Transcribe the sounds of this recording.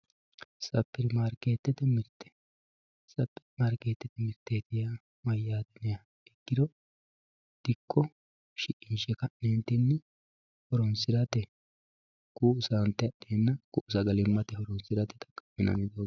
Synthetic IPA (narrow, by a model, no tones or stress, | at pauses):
sɐpːɪɾmaɾkeːt̪ːɛt̪ɛmɪt̪ːɛ̥ | sɐpːɪmaɾke̞ːt̪ːɛt̪ɛmɪt̪ːeːt̪ɪja | mɐjːaːd̪ɛnɛja | ɛɡːɪd̪ɔ | d̪̥ɪkʼːɔ | ʃɪʔɪnʃɛkɐnneːnt̪ɪnːɛ | hɔɾɔnsɪɾɐt̪ɛ | kusant̪ːɛɐɗeːnːɐkʊʔʊsɐɡɐlɪmːɐt̪ɛhɔɾɔnsɪɾɐt̪ɛ̥t̪ɐ̥kʼɐ̥mːɪnɐ̰nɪd̪oː